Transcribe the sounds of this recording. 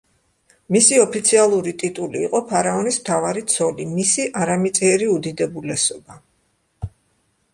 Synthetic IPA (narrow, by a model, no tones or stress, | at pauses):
misiɔpʰit̪sʰialˠuɾit̪ʼit̪ʼuliːqʼɔpʰaɾaɔnismt̪ʰavaɾit̪sʰɔlimisiʔaɾamit̪sʼiɛɾiud̪id̪ɛbulɛsɔba